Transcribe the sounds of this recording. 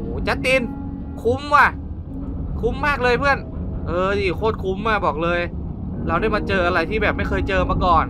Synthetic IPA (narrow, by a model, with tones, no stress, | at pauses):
uː˨˩t͡ɕa˧˩ʔt̪i˧n | kʰu˧˥mwaː˧˩ | kʰu˧˥mːaː˥˩k̚lɤː˧jpʰɯ˥˩ənʔɤː˧˩i˧˩˨kʰoː˥˩t̪̚kʰu˧˥mːaː˧˩bɔː˨˩k̚lɤː˧j | ɾa˧wda˥˩jmaː˧t͡ɕɤː˧ʔa˧ɾa˧jt̪ʰiː˥˩bɛː˨˩p̚ma˥˩jkxɤː˧jt͡ɕɤː˧maː˧kɔː˨˩n